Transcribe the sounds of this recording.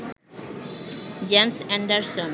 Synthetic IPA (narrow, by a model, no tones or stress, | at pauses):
d͡ʑemsɛ̃ɳɖaɾson